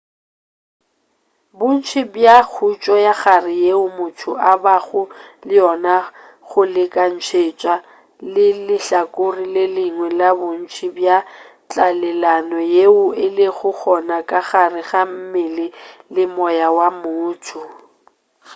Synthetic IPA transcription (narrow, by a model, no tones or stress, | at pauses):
bʊn̩t͡ʃʰibjak͡xʰut͡ʃʼɔjaɣarɪjeʊmʊtʰʊʔabaɣʊlɪjɔna | ɣʊlɪkʼan̩t͡ʃʰet͡ʃʼwa | lɪlɪɬakʼʊrilɪlɪŋwɛlabʊn̩t͡ʃʰibja | t͡ɬʼalɛlanɔjeʊɪlɪɣʊk͡xɔnakʼaɣarɪɣam̩mɪlɪlɪmɔjawamʊːtʰʊ